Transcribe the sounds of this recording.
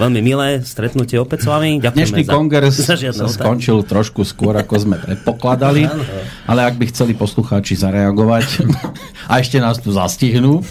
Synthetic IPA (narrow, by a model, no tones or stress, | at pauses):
ʋɛlmimilɛːst̪ɾɛt̪nucɪɛɔpɛsʋamiaɲɛʃniːkɔŋɡɛɾsaad̪saskɔnt͡ʃilt̪ɾɔʃkuskʊɔɾakɔzmɛpɾɛt̪̚pɔklad̪aliʔalɛaɡ̚bixt͡sɛlipɔsluxaːt͡ʃizaɾɛaɡɔʋac | aɛʃcɛnaːst̪uzasciɦnuː